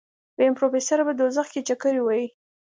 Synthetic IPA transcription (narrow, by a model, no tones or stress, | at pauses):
bəɪmpɾofesaɾabad̪ozaxket͡ʃakəɾiwaji